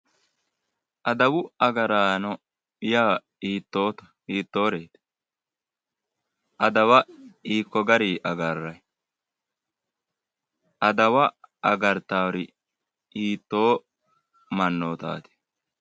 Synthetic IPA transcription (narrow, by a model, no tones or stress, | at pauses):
ʔɐd̪ɐwʊɐɡɐɾaːnɔ | jaː | iːt̪ːoːt̪ɐ̥ | iːt̪ːoːɾeːt̪ | ʔɐd̪ɐwɐiːkːɔɡɐɾiːʔɐɡɐrːɐj | ʔɐd̪ɐwɐʔɐɡɐɾt̪aːɾɪ | iːt̪ːo̞ː | mɐnːoːt̪a̰ːt̪ɪ̥